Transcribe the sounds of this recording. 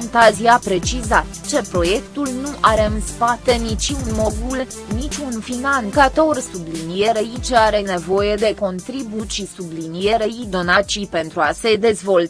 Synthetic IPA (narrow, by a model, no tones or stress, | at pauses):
ant̪aziapɾe̞t͡ʃizat̪t͡ʃe̞pɾo̞je̞kt̪ulnuʔaɾeɨnspat̪e̞nit͡ʃiunmod̪ul | nit͡ʃʲunfinankat̪o̞rsublinije̞ɾeit͡ʃaɾe̞ne̞vo̞je̞d̪e̞ko̞nt̪ɾibut͡ʃisublinie̞ɾeid̪o̞nat͡ʃipe̞nt̪ɾuase̞d̪e̞zvo̞l